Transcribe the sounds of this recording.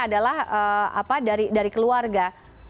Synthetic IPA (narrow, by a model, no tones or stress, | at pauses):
adalahəa̰padaɾidaɾikəluarɡa